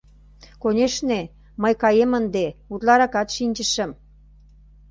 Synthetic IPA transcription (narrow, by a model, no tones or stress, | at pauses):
konʲeʃne | məjkɑjemənd̪eut̪lɑɾɑkɑt̪ʃinʲt͡ɕəʃə̆m